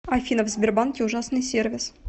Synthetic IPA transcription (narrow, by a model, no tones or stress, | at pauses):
ɐfʲinəvzʲbʲɪrbɑnkʲɪuʐɑsnɨjsʲervʲɪs